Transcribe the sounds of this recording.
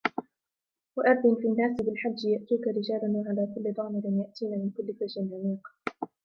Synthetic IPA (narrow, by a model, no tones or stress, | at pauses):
waʔaɾˤd̪ɪnfiːnːaːsɪbɪlħad͡ʒːjaʔt̪iːkaɾɪd͡ʒaːlanwaʕalaːkʊlːɪd̪ˤɑʕmɪɾɪnjaʔt̪iːnaːmɪnkʊlːɪfad͡ʒɪnʕamiːq